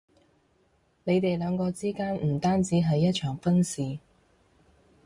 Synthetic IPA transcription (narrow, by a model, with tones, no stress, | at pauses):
ne˨˧jt̪e˨jlœː˨˧ŋkɔː˧t͡siː˥kaː˥nm̩˨˩t̪aː˥nt͡siː˨˥ɦɐ˨jːɐ˥t̚t͡ʃʰœː˨˩ŋfɐ˥nsiː˨